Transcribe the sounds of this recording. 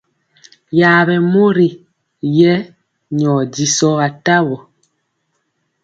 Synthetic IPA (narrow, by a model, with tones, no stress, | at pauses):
jaː˨βɛ˨mo˦ɾi˨ | jɛ˦ | ɲɔː˨di˨sɔ˦a˨ta˦βɔ˨